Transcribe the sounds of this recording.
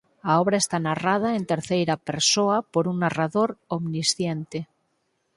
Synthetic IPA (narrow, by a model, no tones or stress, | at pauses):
aoβɾaest̪anarað̞aent̪eɾθejɾapeɾsoapoɾuŋnaraðoɾomnisθjent̪e